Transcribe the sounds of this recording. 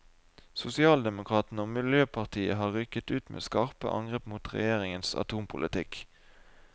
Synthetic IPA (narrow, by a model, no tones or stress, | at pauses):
sʊsɪɑːld̪ɛmʊkʰʁɑːt̪n̩əoːmɪljøːpʰɑʁt̪ʰiːəɦɑːʁʏkət̪ʉːt̪mʔḛːskɑʁpə̰ʔɑ̰ŋɡʁeːpmuːt̪ʁɛ̰jeːʁɪŋənsɑ̰t̪ʰuːmpʰʊlʔɪt̪ʰɪk